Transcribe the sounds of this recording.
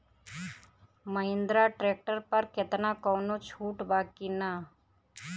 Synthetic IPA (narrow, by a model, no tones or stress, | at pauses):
məɦɪ̃nd̪ɾaʈɾeːk̚ʈəɾpɐɾkɪt̪nakɔːnot͡ʃʰuːʈbaːkina